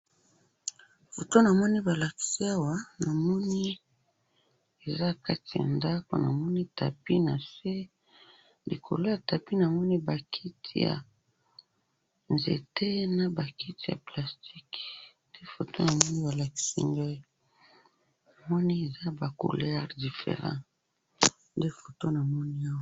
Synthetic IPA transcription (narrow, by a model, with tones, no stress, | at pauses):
fo˨to˦na˨mɔ˦ni˦ba˨la˨ki̥˨si˦a˦wa˨˦na˨mɔ˦ni˦ | e˨za˦ka˦ti˨ja̰˨nda˦ko̰˨na̰˨mɔ˦ni˦ta̰˨pi˦na˨se˦ | lḭ˨kʰo̰˨lo˦ja˨ta˨pi˦na˨mɔ˦ni˦ba˨kʰi˦tʰḭ˨ja̰˨ | nzḛ˨te˦na˨ba˨kʰi˦ti˨ja̰˨pla˨sti˦knde˦fo˨to˦na˨mɔ˦ni˦ba˨la˨ki̥˦sḭ˦ŋɡa˦ | na˨mɔ˦ni˦e˨za˦ba˨ko̰˨lɛ˦ʁdi˨fḛ˨ʁã̰˦ | nde˦fo˨to˦na˨mɔ˦ni˦a˦wa˦